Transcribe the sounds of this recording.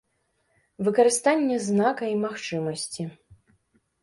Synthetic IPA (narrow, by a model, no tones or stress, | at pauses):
vɨkɐɾɨst̪anʲːɛznakɐimaxt͡ʂɨmɐsʲt͡sʲi